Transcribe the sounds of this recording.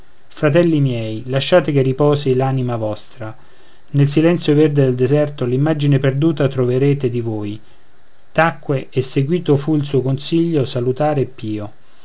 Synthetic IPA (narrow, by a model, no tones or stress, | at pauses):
fɾat̪ɛlːimjɛjlaʃːaːt̪ekeripɔːsilaːnimavɔst̪ɾa | nels̬ilɛnt̪sjoverd̪ed̪eld̪ezɛrt̪olimːad͡ʒineperd̪uːt̪at̪ɾoveɾeːt̪ed̪ivoːj | t̪akːweːsːeɡwiːt̪ofuils̬uːokonsiʎːosalut̪aːɾepːiːo